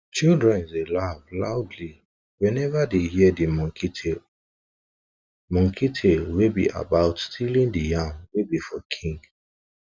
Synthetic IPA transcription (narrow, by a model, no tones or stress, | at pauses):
t͡ʃildɹɛ̃nzelavlaʊdli | wɛ̃nɛvadehiɛdimɔ̃ŋkʰitʰel | mɔ̃ŋkʰitʰelwebḭʔa̰baʊtstʰilĩndijãŋwebifɔkʰĩŋɡ